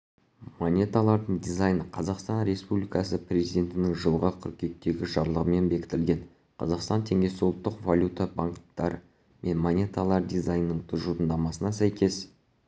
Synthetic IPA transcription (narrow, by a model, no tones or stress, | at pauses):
monʲe̞t̪alˠɑɾd̪əɴd̪ijzɑjnəqʰɑzɑqst̪ɑnɾʲe̞spublʲijkɑsəprʲe̞zijd̪ʲe̞nt̪ɪnɪŋʒəlˠʁɑkʲʰʏɾkʲe̞k̚t̪e̞ɡʲɪʒɑɾlˠəʁəme̞nbe̞kʲɪ̥t̪ɪlɡʲe̞n | qʰɑ̰zɑqst̪ɑnt̪ʰe̞ŋɡʲe̞sɪʊlˠət̪ːəqvalʲut̪abaŋkt̪ːɑɾə̰ | me̞nmonʲe̞t̪alˠɑɾd̪ijzajnːəɴt̪ʰʊzʒut̪ənd̪ɑmɑsənɑsæjkʲʰe̞s